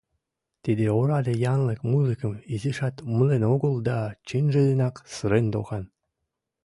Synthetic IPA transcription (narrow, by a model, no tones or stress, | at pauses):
t̪ed̪eoɾɑd̪ejɑnlɤkmuzɨkə̆miziʃɑt̪məlenoɡə̆lˠd̪ɑt͡ɕenʒĕd̪enɑksɨɾend̪o̰xɑn